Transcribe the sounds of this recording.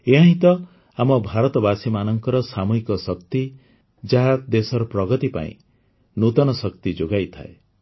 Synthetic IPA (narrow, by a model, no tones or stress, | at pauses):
eɦãɦĩt̪ɔ | amɔbʱaɾɔt̪ɔbasimanɔŋkɔɾɔsamuɦikɔsɔkt̪i | d͡ʒaɦad̪esɔɾɔpɾɔɡɔt̪ipa̰ḭ̃ | nut̪ɔnɔsɔkt̪id͡ʒoɡajt̪ʰa̰e